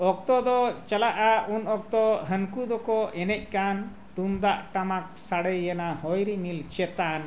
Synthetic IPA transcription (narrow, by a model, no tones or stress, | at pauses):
ɔk̚t̪ɔd̪ɔt͡ʃalaʔaunɔk̚t̪ɔɦənkud̪ɔkɔʔɛnɛc̚ˀkan | t̪und̪aʔʈamak̚saɽəjːɛnahɔjɾimilt͡ʃɛt̪an